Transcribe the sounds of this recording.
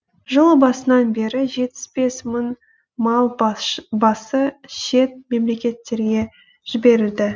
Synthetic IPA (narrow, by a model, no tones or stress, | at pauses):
ʒəlˠəbɑsənɑnbe̞ɾɪʒe̞t̪ːɪ̥sbe̞smən | mɑlˠbɑsəʃe̞t̪̚me̞mle̞kʲe̞t̪ːe̞ɾɡʲe̞ | ʒ̥ɪbe̞ɾɪld̪ɪ